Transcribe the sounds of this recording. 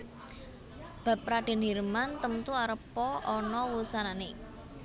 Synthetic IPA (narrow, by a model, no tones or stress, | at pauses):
b̥ä̤p̚ɾaɖ̥e̤nirmant̪əmt̪uaɾəpɔʔɔnɔwusanane